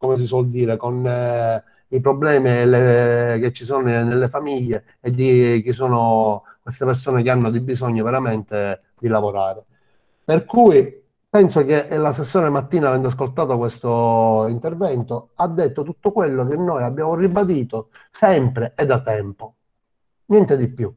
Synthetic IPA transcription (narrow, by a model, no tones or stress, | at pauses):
komes̬iswɔld̪iːɾekon | ipɾoblɛːmilek̟et͡ʃːisoːnnelːefamiʎːeː | d̪ik̟isoːnokwest̪epersoːnek̟eanːod̪ibizɔɲːoveɾament̪e | d̪ilavoɾaːɾe | perkuːi | pɛnsok̟eʔlas̬ːesːoːnemat̪ːiːnavɛnd̪as̬kolt̪aːt̪okwest̪oint̪ervɛnt̪oad̪ːet̪ːot̪ut̪ːokwelːok̟enːojabːjaːmoribad̪iːt̪osɛmpɾeed̪ːat̪ːɛmpo | njɛnt̪ed̪ipːju